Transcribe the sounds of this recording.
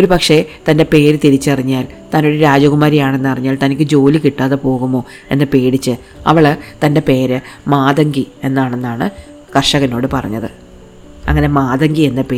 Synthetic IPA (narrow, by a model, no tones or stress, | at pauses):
o̞ɾupɐkʂe̞t̪ɐnde̞pe̞ːɾɨt̪iɾit͡ɕːɨɐriɲːaːl | t̪aːnoɾeɾaːd͡ʑɐɣumaːɾijaːɳe̞nːɨɐriɲːaːlt̪ɐnikʲːɨd͡ʑo̞ːlikiʈːaːðepo̞ːɣumo̞ː | e̞̰nːɨpe̞ːɽit͡ɕːɨ | ɐ̰ʋɐɭt̪ɐnde̞pe̞ːɾɨmaːðɐŋɡie̞nːaːɳenːaːɳɨ | kɐrʂɐɣɐno̞ːɽɨpɐrɐ̰ɲːɐðɨ | ɐ̰ŋːɐne̞maːðɐŋɡie̞nːɨpeː